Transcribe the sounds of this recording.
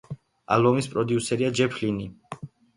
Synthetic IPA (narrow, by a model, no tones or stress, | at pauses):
a̰lˠbɔmispʼɾɔd̪iusɛɾiad͡ʒɛpʰlini